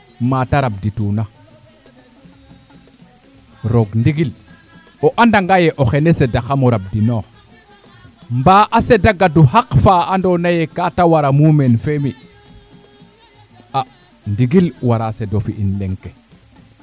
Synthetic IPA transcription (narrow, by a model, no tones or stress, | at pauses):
mataɾab̚dituna | ɾoɡndiɡil | oʔandaŋɡajeʔoxenesedaxamoɾab̚dinox | mbaʔasedaɡaduhakfaandonajekatawaɾamumenfemi | a | ndiɡilwaɾasedofiʔinleŋke